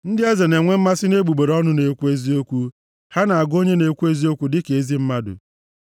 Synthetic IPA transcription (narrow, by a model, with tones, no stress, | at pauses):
n̩˦dɪ˦e˦ze˨ne˨ŋʷe˦m̩˦ma˦sɪ˦ne˦ɡ͡bu˨ɡ͡be˨ɾɔ˦nʊ˦ne˨kʷu˦e˦zi˦o˦kʷu˦ | ha˦na˨a˨ɡo˦ɲe˦ne˨kʷu˦e˦zi˦o˦kʷu˦dɪ˦ke˨e˦zi˦m̩˦ma˦dʊ̰˨